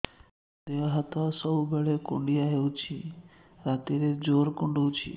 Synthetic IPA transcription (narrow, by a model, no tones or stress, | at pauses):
d̪eʋaɦat̪ɔsəubeɭekṵɳɖijaɦeũt͡ʃʰi | ɾat̪iɾed͡ʒoɾkuɳɖũt͡ʃʰḭ